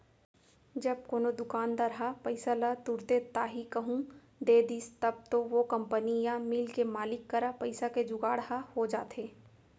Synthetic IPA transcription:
d͡ʒɐb̚koːnod̪ʊkaːnd̪aɾɦapɐɪsalat̪uɾt̪et̪aːɦikɐɦũ | d̪eːd̪iːst̪ɐb̚t̪oʋokɐ̃mpənijãmɪlkemaːlɪkːɐɾapɐɪsaked͡ʒʊɡaːɽɦahod͡ʒa̰ːt̪ʰeː

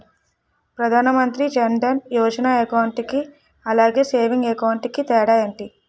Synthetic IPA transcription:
pɾɐd̪ʱaːnɐmɐnt̪ɾid͡ʒɐɳɖɐnjɔːd͡ʒɐnaːekɐwɳʈiki | ɐlaːɡe̞ːse̞ːʋiŋɡekɐwɳʈikit̪ɛːɽaːjɐɳʈi

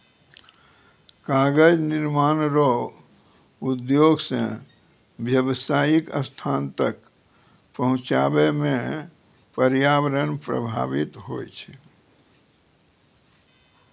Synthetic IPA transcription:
kaɡəd͡ʒniɾmaːnɾo | ud̪joɡsḛ̃ | bjəbəsaːjikə̰st̪ʰant̪ək | pəɦʊ̃t͡ʃa̰bemẽ | pəɾjaʋəɾənpɾə̰bʱa̰bit̪ɦojt͡ʃʰɛ

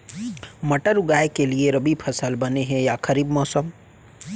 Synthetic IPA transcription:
mɐʈəɾʊɡaːjkelieɾɐbipʰəsəlbɐneɦɛ̃jakʰɐɾiːbmɔːsəm

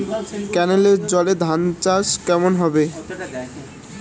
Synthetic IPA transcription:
kɛneleɾd͡ʑɔled̪ʱant͡ɕaʃkɛmonɦɔbe

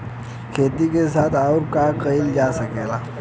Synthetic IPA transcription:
kʰeːt̪ikes̬aːt̪ʰaʊɾkakəild͡ʒasəkeːlaː

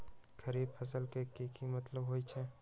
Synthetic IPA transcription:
kʰɐɾiːbfʰɐs̬əlkekekʰimɐt̪ləbɦoːit͡ʃʰɛː

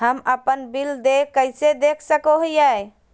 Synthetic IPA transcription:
ɦəməpənbild̪ekːəɪsed̪ekʰsəkoɦjaj

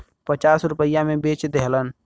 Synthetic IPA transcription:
pət͡ʃasɾupəjamebet͡ʃd̪eɦlən

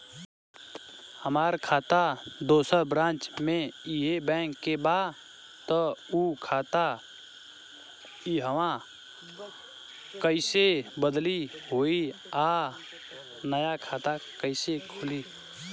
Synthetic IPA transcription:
həmaːɾkʰaːt̪ad̪oːsəɾbɾãːt͡ʃmẽiɦebɛ̃ːŋkːeba | t̪ɔukʰaːt̪a | iɦəʋã | kəɪsebəd̪liɦoːi | a | nəjakʰaːt̪akəɪsekʰʊli

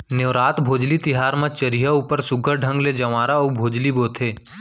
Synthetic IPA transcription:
njeːɾaːt̪bʱoːd͡ʒlit̪ɪɦaːɾmãt͡ʃəɾiɦauːpəɾsʊɡəɾɖʱə̃ŋɡled͡ʒɐʋaːɾaubʱoːd͡ʒliboːt̪ʰeː

